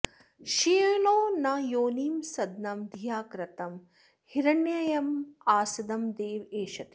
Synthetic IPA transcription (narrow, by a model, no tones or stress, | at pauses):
ʃijɐloːnɐjoːniːmsɐd̪nɐmd̪ʱijaːkɾɐt̪ɐm | hiɾɐɳjɐjɐmaːsɐd̪ɐmd̪eːʋeːʃɐt̪i̥